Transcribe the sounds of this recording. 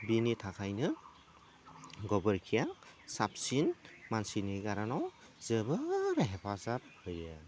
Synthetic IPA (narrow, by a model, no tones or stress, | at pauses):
binitʰakʰajnɯ | ɡɔbəɾkʰijasap̚sinmansiniɡaɾanɔw | zɯbɯɾɦɛpʰazat̚hɯja